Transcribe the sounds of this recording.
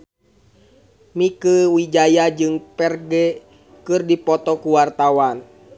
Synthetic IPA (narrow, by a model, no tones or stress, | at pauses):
mikəwid͡ʒajad͡ʒɨŋpɛrɡɛ | kɨrdipɔt̪ɔkuwart̪awan